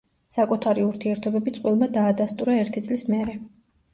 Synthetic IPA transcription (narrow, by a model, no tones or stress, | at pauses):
sakʼut̪ʰaɾiuɾt̪ʰiɛɾt̪ʰɔbɛbit̪sʼqʼwilˠmad̪aːd̪ast̪ʼuɾaɛɾt̪ʰit̪sʼlismɛɾɛ